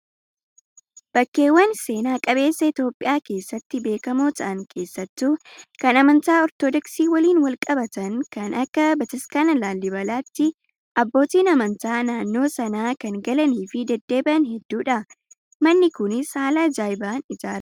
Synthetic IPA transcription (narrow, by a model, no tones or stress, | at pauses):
b̥ɐkːe̞ːwːɐnse̞ːnaːkʼɐβe̞ːsːɐɪt̪o̞ːpʼːɪjaːke̞ːsːɐt̪ːɪbe̞ːkɐmoːt̪ʰɐʔɐŋkʰe̞ːsːɐt̪ːuːkɐnɐmɐnt̪aːɔɾt̪ɔd̪ɔksiːwɐliːnwɐlkʼɐbɐt̪ɐnkɐnɐkːɐbɐt̪ɪskanɐlaːlːɪbɐlaːt̪ːɪ | ʔɐbːo̞ːt̪iːnɐmɐnt̪aːnaːnːo̞ːsɐnaːkɐŋɡɐlɐniːfɪd̪ɛd̪ːe̞ːbʔɐnhɛd̪ːuːᶑɐ | mɐnːɪkʊnɪshaːlaːd͡ʒaːjbaːnɪd͡ʒaːɾɐ